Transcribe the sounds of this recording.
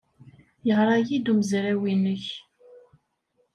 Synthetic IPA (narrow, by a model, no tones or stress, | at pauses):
jəʁɾˤɑjid̪uməzɾæwinəç